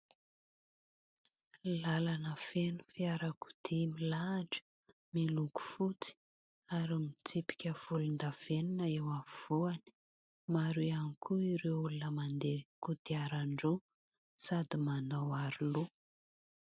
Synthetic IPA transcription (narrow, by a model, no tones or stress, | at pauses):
lalanəfenu̥fiaɾaku̥d̪̥imilaːɖ͡ʐə̥ | miluku̥fut͡si̥ | aɾimit͡sipi̥kʲəv̥ulund̪av̥eninəewavuani | maɾianikʰuiɾewulunəmand̪ekud̪iaɾaɳɖ͡ʐu | sad̪imanawaɾilu